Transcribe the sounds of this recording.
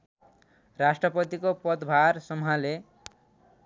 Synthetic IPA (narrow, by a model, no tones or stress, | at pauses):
rasʈrʌpʌt̪ikopʌd̪bʱarsʌmɦale